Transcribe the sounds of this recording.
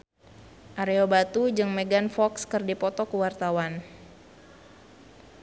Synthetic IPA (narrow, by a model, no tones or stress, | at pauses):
ʔaɾeobat̪ud͡ʒɨŋmeɡanfɔkskɨrdipɔt̪ɔkəwart̪awan